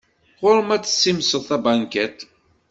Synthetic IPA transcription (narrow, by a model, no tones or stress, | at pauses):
ʁʊɾəmæt͡sːə̥sːimsəðθæbænkæt̪